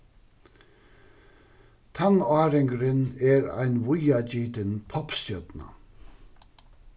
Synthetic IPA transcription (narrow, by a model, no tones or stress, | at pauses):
t̪ʰanɑːɾɪŋɡɾɪnɛɾa̰jnʋʊjat͡ɕiːt̪ɪnpʰɔpstœd̪na̰